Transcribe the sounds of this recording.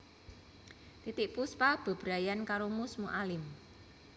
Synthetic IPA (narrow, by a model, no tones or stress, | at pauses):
t̪it̪ɪʔpuspab̥a̤b̥ɾajankaɾomʊsmuʔalɪm